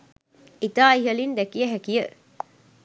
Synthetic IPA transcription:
it̪aːiɦɐlind̪ekijɐɦækijə

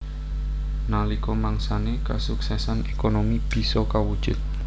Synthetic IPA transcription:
nalikɔmaŋsanekasuksɛsanekonomib̥i̤sɔkawud̥ʒ̥ʊt̪̚

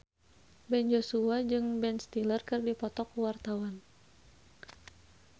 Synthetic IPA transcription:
bɛnd͡ʒosuad͡ʒɨŋbɛnst̪ilərkərdipɔt̪ɔkuwart̪awan

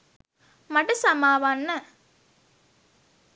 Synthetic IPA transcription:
mɐʈɐsɐmaːʋanːɐ

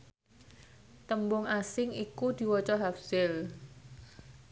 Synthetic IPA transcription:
t̪əmbʊŋasɪŋikud̪̥i̤wɔt͡ʃɔɦafsɪl

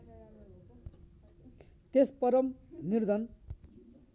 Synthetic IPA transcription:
t̪espʌɾʌmnird̪ʱʌn

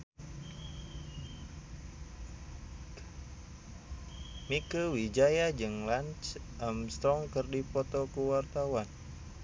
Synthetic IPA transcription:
mikəwid͡ʒajad͡ʒɨŋlant͡ʃʔamst̪ɾɔŋkɨrdipɔt̪ɔkuwart̪awan

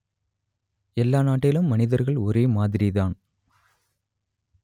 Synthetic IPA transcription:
ɛlːaːnaːʈːɪlɯmːɐnɪðɐɾɣɐɭɔɾeːmaːðɪɾɪðaːn

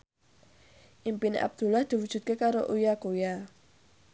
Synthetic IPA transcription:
ʔimpinḛʔa̰b̚d̪̥ṳlahd̪̥i̤wu̥ʒ̥ṳt̪̚kekaɾoʔujakoja

